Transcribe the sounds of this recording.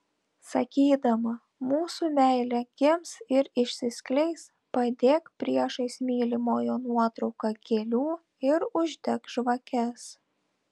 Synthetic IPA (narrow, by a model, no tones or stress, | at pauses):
sɐkʲiːd̪ɐmɐ | muːsumʲæˑɪlʲɛɡʲɪmsɪɾɪʃʲsʲɪsʲkʲlʲɛɪs | pɐd̪ʲeːkpʲɾʲiɛʃɐɪsʲmʲiːlʲɪmoːjoːnuɔt̪ɾɒʊkɑkʲeːlʲuː | ɪɾʊʒʲd̪ʲɛkʒʋɐkʲɛs